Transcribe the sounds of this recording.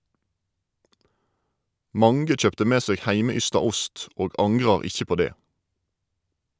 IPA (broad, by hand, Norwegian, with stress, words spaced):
ˈmɑŋɡə ˈc͡çœptə ˈmeː ˈseːɡ ˈhæɪməˌʏstɑ ˈʊst ˈoːɡ ˈɑŋɡʁɑʁ ˈɪçə ˈpoː ˈdeː